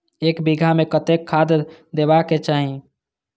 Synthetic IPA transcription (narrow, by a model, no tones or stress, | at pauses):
ekbiɡʱamekət̪ekʰːad̪d̪ebaket͡ʃaːɦĩ